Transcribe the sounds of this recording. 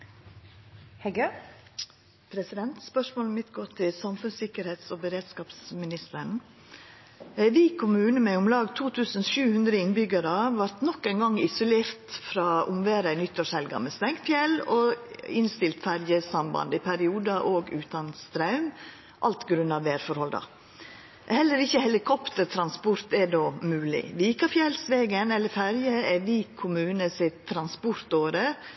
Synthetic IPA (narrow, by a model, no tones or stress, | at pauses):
hɛɡə | pʰɾɛsɪd̪ɛnt̪spœʂmoːlmɪt̪ɡoːt̪ʰɪlsɑmfʉnsɪkəɾheːt̪sɔːbəɾeːd̪skɑːpsmɪnɪst̪əɳ̩ | ʋiːkʰʊmʉːnəmɛʊmlɑːɡt̪ʰuːt̪ʰʉːsənʃʉːhʉnd̪ɾəɪnbʏɡəɾəʋɑɾt̪nɔkːæɪnɡɑŋːɪsʊleːɾt̪fɾɑːʔʊmʋeːɾæɪnʏt̪ːɔʂɛlɡɑ̰mɛst̪ɛŋkt̪fjɛloːɪnst̪ɪlt̪fæɾjəsɑmbɑ̰nd̪əɪpʰæɾɪuːd̪ɑʔoːɡʉːt̪ɑnst̪ɾɑʉm | ʔɑ̰lt̪ɡɾʉnɑʋʋeːɾfɔɾhɔld̪ɑ̰ | hɛlːəɾɪçːəhɛlɪkʰɔpt̪əɾt̪ʰɾɑnspʊɾt̪ɛdoːmʉːlɪ̰ʋiːkɑfjɛlsʋeːɡənɛlːəɾfæɾjəɛʋiːkʰːʊmʉːnəsɪtt̪ʰːɾɑnspʊɾt̪oːɾə